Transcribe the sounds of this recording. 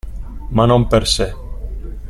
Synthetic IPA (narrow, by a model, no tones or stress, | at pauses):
manõmpeɾse